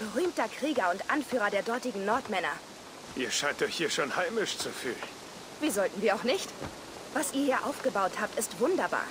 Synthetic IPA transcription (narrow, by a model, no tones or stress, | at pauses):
b̥əʁyːmtɐkʁ̥iːɡɐʊntʔanfyːʁ̞ɐdeːɐdɔɐtɪɡŋ̩nɔɐtmɛnɐ | ʔiːɐʃaɪntɔɪçhiːɐʃoːnhaɪmɪʃt͡sufy̰ːln | viːzɔltn̩viːɐaʊxnɪçt | v̥asʔiːɐiːɐʔaʊfɡ̥əbaʊthaːp̚tɪstv̥ʊndɐba̰ːɐ